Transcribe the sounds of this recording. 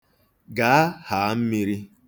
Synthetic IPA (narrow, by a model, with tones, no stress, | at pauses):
ɡa˨˦a˦ha˨˦m̩˦mi˦ɾi˦